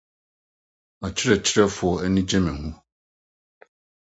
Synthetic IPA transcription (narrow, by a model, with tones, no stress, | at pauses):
a˨t͡ɕʰɪ˦ɾɛ˨t͡ɕʰɪ˦ɾɛ˦fʊ˨ɔ˨ɛ˦nĩ˦d͡ʑɛ̃˦mɛ̃˨hũ˦